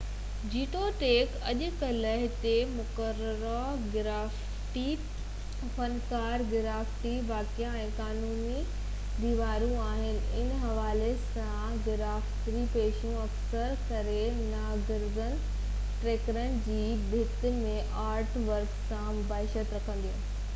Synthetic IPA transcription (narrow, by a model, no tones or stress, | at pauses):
d͡ʑiːʈoʈeːkɐʄʊ̆kɐlɐɦɪt̪emʊkəɾəɾa | ɡɪɾaːf | ʈi | fɐnkaːɾɡɪɾaːfʈiʋaːkijãɛ̃ːkaːnuːni | d̪iːʋaːɾũaːɦɪnɪ̆ɪ̰nɦɐʋaːles | ã | ɡɪɾaːfʈɾipeːʃũɐksəɾkɐɾe | naːɡɪɾzən | ʈɾeːkɾənɪ̆d͡ʑiː | bʱɪt̪mẽʔaːɾʈʋɐɾksãmʊbaːɦɪʃət̪ɾɐkʰə̃nd̪ijũː